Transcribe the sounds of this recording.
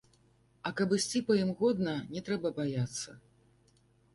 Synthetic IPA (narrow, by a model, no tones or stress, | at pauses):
ɐkɐbɨsʲt͡sʲipɐjimɣɔd̪nɐnʲɛt̪ɾɛbɐbajat̪sːɐ